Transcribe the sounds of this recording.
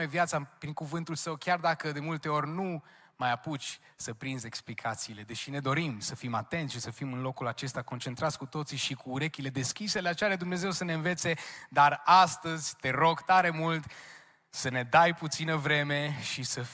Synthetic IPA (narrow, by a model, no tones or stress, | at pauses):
evjat̪sapɾiŋkuvɨnt̪ulsəwkʲjard̪akəd̪e̞mult̪e̞o̞rʲnu | majaput͡ʃʲ | səpɾinze̞ksplikʰat̪siːle̞d̪e̞ʃine̞d̪o̞ɾimsəfimat̪e̞nt̪sʃisəfimɨnlo̞kulat͡ʃe̞st̪ako̞nt͡ʃe̞nt̪ɾat̪sʲkut̪o̞t̪siʃikuːɾe̞kʲile̞d̪e̞skʲise̞leat͡ʃeaɾad̪umne̞ze̞wsəne̞ɨnve̞t̪se̞d̪arast̪əzʲt̪e̞ɾo̞ɡt̪aɾe̞mult̪ | səne̞d̪ajput̪sinəvɾe̞me̞ʃisə